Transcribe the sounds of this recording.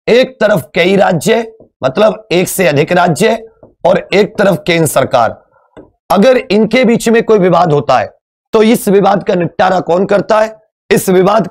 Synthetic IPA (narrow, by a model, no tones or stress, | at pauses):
eːk̚t̪ɐɾəfkɐiɾaːd͡ʒjə | mʔɐt̪ləbeːkseɐd̪ʱɪkɾaːd͡ʒjəɔːɾeːk̚t̪ɐɾəfkẽːnd̪ɾəsɐɾka̰ːɾ | ɐɡəɾɪnkebiːt͡ʃmẽkoːiʋɪʋaːd̪ɦoːt̪aɦɛ̰ː | t̪oɪsʋɪʋaːd̪̚kanɪʈːaːɾakɔːnkɐɾt̪aɦɛː | ɪsʋɪʋaːd̪